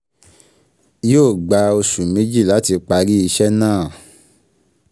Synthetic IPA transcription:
joː˦˨ɡ͡ba˨˧o˧ʃu˨mẽ˨˦d͡ʒi˦˨la˨˦ti˧k͡pa˧ɾi˦i˧ʃɛ˦nãː˦˨

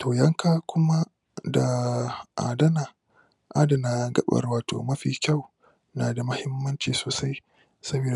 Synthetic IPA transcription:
tʰoː˨jɐ˦ŋkaː˦kʷʊ˦ma˦ | da˨ʔa̰ː˨dɐ˦na˨ | ʔaː˦da˨na˨ɡɐ̰˦ɓɐ̰˨rwaː˨to̰ː˨mɐ˦ɸiː˨kʲa˦˨w | naː˨da˨mɐ˦hɪ˦mːɐ˦nt͡ʃiː˨soː˨sa˦j | sɐ˦beː˨

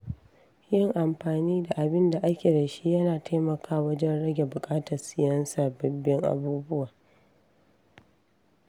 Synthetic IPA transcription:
jɪ˦ŋʔa˨mɸaː˨niː˦da˨ʔa˨bɪ˦nda˨ʔa˦kʲeː˨dɐ˨ʃi˦jɐ˦naː˨tʰa˦jmɐ˨kʰaː˦wɐ˦d͡ʒɛ˦nɽɐ˦ɡʲe˨bʊ˨kʼaː˦tɐ˨rsɪ˨˦jɐ˦nsaː˨bɐ˨bːɪ˦ŋʔa̰˨buː˦bʊ˦waː˨

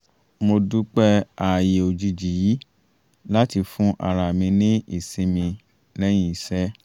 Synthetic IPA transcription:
mo˧du˦k͡pɛ˦a˨je˨o˨d͡ʒi˧d͡ʒi˨ji˨˦ | la˦ti˧fũ˦ʔa̰˨ɾa˨mĩ˧nĩ˦ḭ˦˨sĩ˧˦mĩ˧ | lɛ˦j̃ĩ˧i˧˦sɛ˦

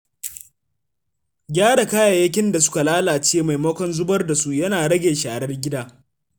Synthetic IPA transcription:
ɡʲaː˦ɽa˨ka˦jaː˨jɐ˦k̬ʲɪ˦nda˨sʊ̥˦ka˨laː˦laː˨t͡ʃeː˦ma˨jmɐ˦kʷɔ˦nzʊ˦bɐ˦rda˨su˦ʔjɐ˦naː˨ɽɐ˦ɡʲeː˨ʃaː˨ɽɐ˦rɡʲɪ˦daː˦

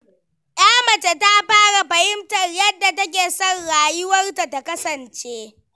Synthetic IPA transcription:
j̰aː˦mɐ˨t͡ʃe˨ta˦ɸaː˦ɽa˨ɸɐ˨hɪ˦mtɐ˨rjɐ˦dːa˨tɐ˦k̬ʲeː˨sɔ˦nɽaː˨jʊ˦wɐ˦rta˨ta˨kɐ˦sɐ˨nt͡ʃeː˦

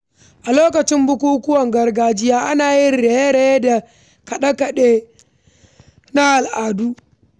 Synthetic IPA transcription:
ʔa˨loː˦kɐ˨t͡ʃɪ˦mbʊ˦kʷuː˦kʊ˦wɐ˨ŋɡɐ˨rɡaː˨d͡ʒɪ˦jaː˦ʔa˦naː˨jɪ˦nɾeː˨je˦ɽe˨e˦da˨ | kɐ˨ɗa˦kɐ˨ɗeː˦ | na˦ʔa˨lʔaː˨du˦

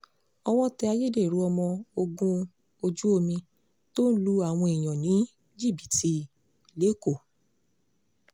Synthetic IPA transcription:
ɔ˧w̃ɔ̃˦tɛ˧a˧je˦˨de˦˨ɾu˨˦ɔ˧mɔ̃˧o˧ɡũ˧ | o˧d͡ʒu˦o˧mĩ˧ | to˦n̩˦lu˧a˦˨w̃ɔ̃˧i˨j̃ɔ̃˨nĩ˨˦ | d͡ʒi˦˨bi˨ti˧ | le˨˦ko˦˨

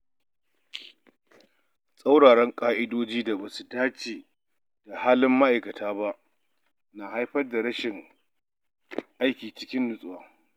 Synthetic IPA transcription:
sʼa˦wɽaː˨ɽɛ˦ŋkʼaː˦ʔɪ˦doː˦d͡ʒiː˦da˨ba˨su˨daː˦t͡ʃeː˨ | d̥a˨haː˦lɪ˦mːa˦ʔa˨jkɐ˨tʰaː˦ba˦ʔ | naː˨ha˦jɸɐ˦rda˨ɾɐ˦ʃɪ˨ŋ | ʔa˦jkʲiː˨t͡ʃɪ˦kʲɪ˦nːʊ˦sʼʊ˨waː˨

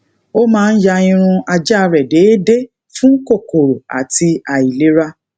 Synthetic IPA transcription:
o˦mãː˦˧n̩˦ja˧ĩ˧ɾ̃ũ˧a˧d͡ʒa˦˧ɾɛ˨de˨˦de˦ | fũ˦ko˦˨ko˨ɾo˨a̰˨ti˧a˨i˨le˨˦ɾa˦

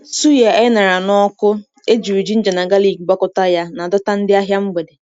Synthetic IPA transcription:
su˦ja˨ɛ˦na˨ɾa˨nɔ˦kʊ˦ | e˦d͡ʒi˨u˨d͡ʒi˦n̩˦d͡ʒe˨na˨ɡa˦li˨ɡɡ͡ba˦kʊ˦ta˦ja˦na˨dʊ˦ta˦n̩˦dɪ˦a˦ɦja˦m̩˦ɡ͡be˨de˨

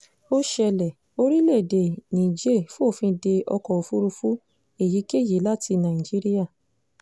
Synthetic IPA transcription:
o˦ʃɛ˧lɛ˨ | o˦ɾi˦le˦˨de˨nĩ˨d͡ʒe˦˨fu˦o˦˨fĩ˧de˧ʔɔ̰˧kɔ˨o˨fu˦ɾu˧fu˦ | e˦˨ji˨˦ke˦˨je˨˦la˦ti˧nã˨i˨d͡ʒi˦ɾi˦ja˦˨

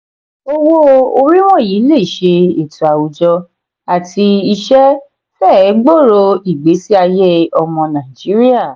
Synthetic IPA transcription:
o˧wo˦o˧ɾi˦w̃ɔ̃˦˨ji˨˦le˦˨ʃe˧e˨tu˨a˨wu˨d͡ʒɔ˧ | a˨tʰi˧i˧ʃɛ˦ | fɛ˦˨˦ɡ͡bo˦˨ɾo˧i˨ɡ͡be˨˦si˦a˧je˦ɔ˧mɔ̃˧nã˨i˨d͡ʒi˨˦ɾi˦a˦˨

